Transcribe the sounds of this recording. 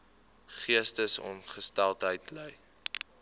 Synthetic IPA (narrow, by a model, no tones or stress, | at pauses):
χiəstəsɔ̰mχəstælˠtɦəjtləj